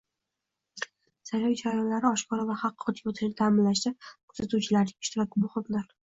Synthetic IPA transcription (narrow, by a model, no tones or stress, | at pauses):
sajɒjt͡ʃʰaɾajɒnlaɾɪɒʃkʰɒɾavaχɑqːʊt̪ʰɪkʲot̪ʰɪʃnɪt̪ʰaːmɪnlaʃd̪akʰzat̪uwt͡ʃʰɪlaɾnɪŋɪʃt̪ɪɾɒk̚ʲɪmʊχɨmlaɾ